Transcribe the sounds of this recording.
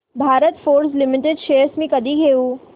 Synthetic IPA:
bʱaːɾət̪foːɾslɪmɪʈɪɖʃeːɾsmẽkɐd̪iɡʱejuː

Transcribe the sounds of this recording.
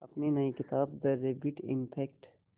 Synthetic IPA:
ɐpninɐikɪt̪aːb̚d̪ɐɾeːbiʈɪ̰̃mpʰɛːkʈ

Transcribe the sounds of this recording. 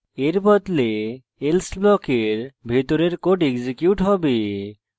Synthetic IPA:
eɾbɔd̪le | elsblɔkeɾbʱet̪oɾeɾkoʈeɡzikjuʈɦɔbe

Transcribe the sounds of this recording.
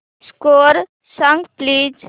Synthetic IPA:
skoːɾ | səŋɡpliːd͡ʒ

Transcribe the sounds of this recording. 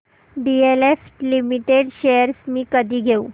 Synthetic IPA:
ɖieleflimiʈeɽɕejəɾsmiːkəd̪ʱiːɡʱeṵː

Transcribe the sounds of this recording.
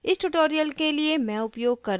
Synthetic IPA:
ɪsʈuʈoːɾijəlkeliemɛ̃ʊpjoːɡ̚kɐɾ

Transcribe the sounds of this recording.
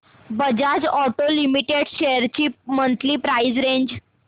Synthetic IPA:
bəd͡ʑad͡ʑɔʈolimiʈeɽɕeəɾt͡ɕiːmənt̪liːpɾaid͡zɾeɲd͡ʑ

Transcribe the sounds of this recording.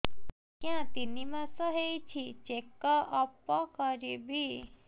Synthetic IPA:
kjãt̪inimãsəɦejt͡ʃʰit͡ʃekːəʔɔpːɔkəɾibi

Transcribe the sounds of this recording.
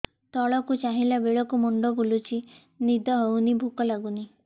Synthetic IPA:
t̪ɔɭɔkut͡ʃaɦilabeɭɔkumuɳɖɔbulut͡ʃʰi | nid̪ʱɔɦewnibʱukɔlaɡuni

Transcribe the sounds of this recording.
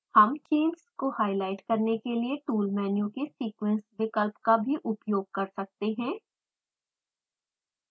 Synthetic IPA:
hɐmt͡ʃeːnskohaːɪlaːɪʈkɐɾnekelieʈuːlmɛːnjũkesiːkwə̃nsʋɪkəlpkabʱiʔʊpjoːɡ̚kɐɾsɐk̚t̪eɦɛ̃ː

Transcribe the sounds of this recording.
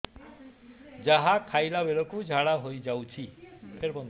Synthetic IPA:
d͡ʒaɦakʰajlabeɭɔkud͡ʒʱaɽaɦojd͡ʒawt͡ʃʰipʰeɾpɔn

